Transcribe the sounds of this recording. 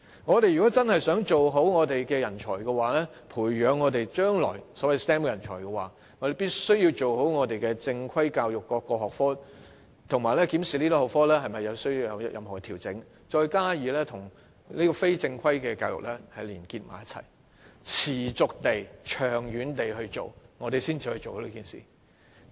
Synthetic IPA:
ŋɔː˨˧t̪e˨jyː˨˩kɔː˨˥t͡sɐ˥nhɐ˨jsœː˨˥ŋt͡ʃo˨wɦo˨˥wŋɔː˨˧t̪e˨jkɛː˧jɐ˨˩nt͡ʃʰɔ̰ː˨˩jkɛ˧waː˨˥lɛː˥ | pʰuː˨˩jɥœː˨˧ŋːɔː˨˧t̪e˨jt͡ʃœː˥ŋlɔ̰ː˨˩jsɔː˨˥wɐ˨jst̪ɛ˥m˧˥jɐ˨˩nt͡ʃʰɔː˨˩jkɛː˧wa̰ː˨ | ŋɔː˨˧t̪e˨jpiː˥t̚sɵ˥ɥji˧wt͡so˨who˨˥wŋɔː˨˧t̪e˨jkɛː˧t͡sɪ˧ŋkʰɐ˥jkaː˧wjʊ˨kːɔː˧kːɔː˧hɔː˨k̚fɔː˥ | t̪ʰʊ˨˩ŋmaː˨˩jlɛː˥kiː˨˥msiː˨˩liː˥t̪ɔ˧˩hɔː˨˩kfɔː˥lɛː˥ɦɐ˨jmɐ˨jːɐ˨˧wsɵ˥ɥji˧wjɐ̰˨˧wjɐ˥jʔɐ̰˨˧mhɔː˨˩kɛ˧tʰiː˨˩wt͡sɪ˨˥ŋ | t͡ʃɔː˧jkaː˥jiː˨lɛː˥t̪ʰʊ˨˩ŋ | liː˥kɔː˧fe˥jt͡sɪ˧ŋkʰɐ˥jkɛː˧kaː˧wjʊ̰˨k̚lɛː˥hɐ˨jliː˨˩nkiː˧t̚maː˨˥jɐ˥t̚t͡sʰɐ̰˨˩j | t͡sʰiː˨˩t͡sʊ˨k̚t̪e˨jt͡ʃʰœː˨˩ŋjyː˨˧nt̪e˨jɦɵ˧ɥt͡so̰˨wŋɔː˨˧ɾe˨jsiː˥nt͡siː˨˧hɵ˧jt͡ʃo˨who˨˦wliː˥kiː˨nsḭː˨˩

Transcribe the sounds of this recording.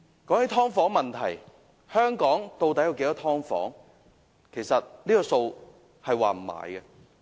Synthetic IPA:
kɔː˨˥ŋhe˨˥jt̪ʰɔː˥ŋfɔː˨˥ŋmɐ˨nt̪ʰɐ̰˨˩j | hœː˥ŋkɔː˨˥ŋt̪o˧wt̪ɐ˨˥jɐ˨˧wke˨˥jt̪ɔː˥t̪ʰɔː˥ŋfɔ̰ː˨˥ŋ | kʰe˨˩jsɐ˨t̚niː˥kɔː˧so˧w | hɐ˨jwa̰ː˨m̩˨˩ma̰ː˨˩jɡɛ˧

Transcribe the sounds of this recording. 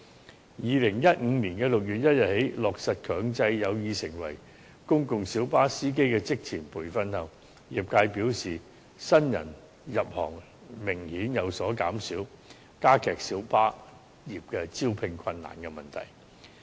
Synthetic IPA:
jiː˨˧lɪ˨˩ŋjɐ˥t̚ŋ̩ː˨˧niː˨˩nkɛ˧lʊ˨k̚jyː˨˩t̚jɐ˥t̚jɐ˨t̚he˨˥jlɔː˨k̚sɐ˨t̚kʰœː˨˧ŋt͡sɐ˧jjɐ˨˧wjiː˨˧sɪ˨˩ŋwɐ̰˨˩j | kʊ˥ŋkʊ˨ŋsiː˨˥wpaː˥siː˥k̬e˥jkɛː˧t͡sɪ˥k̚t͡sʰiː˨˩npʰuː˨˩jfɐ˧nhɐ˨w | jiː˨p̚kaː˧jpiː˨˥wsiː˨˩ | sɐ˥njɐ̰˨˩n | jɐ˨p̚hɔ̰ː˨˩ŋ | mɪ˨˩ŋhiː˨˥njɐ˨˧wsɔː˨˥ka̰ː˨˥msiː˨˥w | kaː˥kʰɛː˨k̚siː˨˥wpaː˥ | jiː˨˩p̚kɛː˧t͡siː˥wpʰɪ˧ŋkʰwɐ˧nːa̰ː˨˩nkɛ˧mɐ˨˩nt̪ʰɐ̰˨˩j

